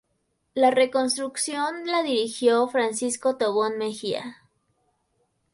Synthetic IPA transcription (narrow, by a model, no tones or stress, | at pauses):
lare̞ko̞nst̪ɾuksjonlaðiɾixjofɾansisko̞t̪oβonmexia̰